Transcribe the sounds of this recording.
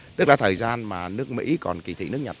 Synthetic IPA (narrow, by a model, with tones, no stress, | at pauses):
t̪ɨ˦˥k̚laː˨˩t̪ʰəː˨˩jzaː˧nmaː˨˩nɨ˦˥ək̚mḭ˧˥kɔ˨˩nki˨˩t̪ʰḭ˧˨nɨ˦˥ək̚ɲa˨˩